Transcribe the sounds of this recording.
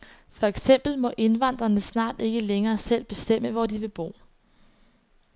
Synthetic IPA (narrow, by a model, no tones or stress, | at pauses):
fɒ̽eɡ̥sem̰b̥l̩mɒ̽ʔe̝nʋɑn̰d̥ʁɐnəsnɑ̰̈ːd̥e̝ɡ̥əleŋɐːsel̰b̥e̝sd̥em̰əʋɒd̥iʋe̝b̥o̝̰ː